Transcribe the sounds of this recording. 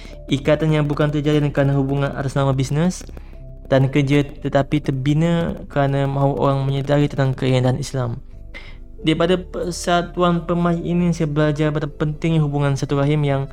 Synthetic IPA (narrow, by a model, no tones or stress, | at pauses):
ikat̪anjaŋbukant̪ərd͡ʒadidəŋkəɾanəɦubuŋãna̰ɾaslamabisnəs | d̥ankərd͡ʒət̪ət̪apit̪ərbinəkəɾanamãuʔo̰ɾaŋməɲədaɾit̪ənt̪aŋkəiindaɦanislam | daipadapəsat̪uanpəmaiinisajabəlad͡ʒarbat̪apənt̪ɪŋɲɦubuŋãnsat̪uɾaɦɪmjaŋ